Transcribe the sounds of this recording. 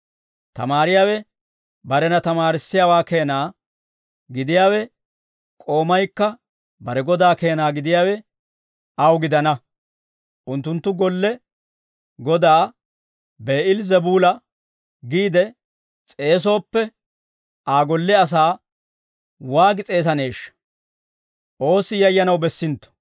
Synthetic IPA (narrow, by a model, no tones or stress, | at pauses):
t̪ɐ̰maːɾɪjaːwɛ | bɐɾɛnɐt̪ɐmaːɾɪsːɪjaːwaːke̞ːnaː | ɡɪd̪ɪjaːwɛ | kʼo̞ːmɐjkːɐ | bɐɾɛɡɔd̪aːke̞ːnaːɡɪd̪ɪjaːwɛ | ɐwɡɪd̪ɐnɐ | ʔʊnt̪ːʊnt̪ːʊɡɔlːɛ | ɡɔd̪aː | be̞ːʔɪlzɛbuːlɐ | ɡiːd̪ɛ | t͡sʼe̞ːs̬o̞ːpːɛ | ʔaːɡɔlːɛɐs̬aː | waːɡɪt͡sʼe̞ːs̬ɐne̞ːʃːɐ̥ | ʔo̞ːsɪjɐjːɐnɐwbɛsːɪnt̪ːɔ̥